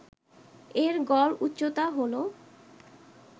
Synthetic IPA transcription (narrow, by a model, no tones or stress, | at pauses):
eɾɡɔlutːɕot̪aɦolo